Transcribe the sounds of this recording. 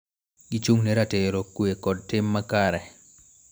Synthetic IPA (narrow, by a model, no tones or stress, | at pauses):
ɡit͡ʃuŋnɛɾateɾokːwekɔd̚tɪmːakaɾɛ